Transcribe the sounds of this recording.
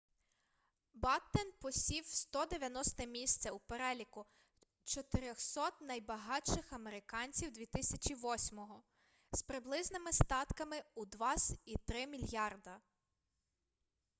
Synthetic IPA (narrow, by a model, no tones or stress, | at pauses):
bɑt̪ːenpɔsʲiwst̪ɔd̪eʋʲjɐnɔst̪ɛmʲisʲt̪sʲɛupeɾɛlʲikʊ | t͡ʃɔt̪ɪɾʲɔxsɔt̪nɐjbɐɦɑʃɪxɐmeɾɪkɑnʲt͡sʲiwd̪ʲʋʲit̪ɪsʲɐt͡ʃʲiʋɔsʲmɔɦɔ | spɾɪblˠɪznɪmɪst̪ɑt̪kɐmɪud̪ʋɑsʲit̪ɾɪmʲilʲjɑrd̪ɐ